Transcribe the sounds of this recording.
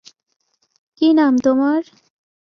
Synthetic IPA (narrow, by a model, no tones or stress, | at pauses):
kinamt̪omaɾ